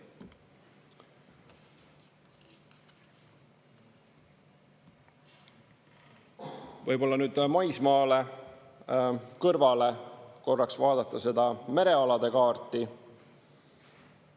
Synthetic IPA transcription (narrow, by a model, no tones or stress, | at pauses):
vɤjbo̞lːɑnyːd̪̥mɑjsmɑːle̞ | kɤrvɑle̞ko̞rːɑksvɑːd̪̥ɑt̪ːɑse̞d̪̥ɑme̞ɾe̞ɑlɑd̪̥e̞kɑːrt̪ˑi